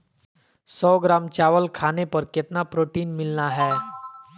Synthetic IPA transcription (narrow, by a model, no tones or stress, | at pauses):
sɔːɡɾaːmt͡ʃaːʋəlkʰaːnepəɾkɪt̪napɾoːʈiːnmɪlnaɦɛː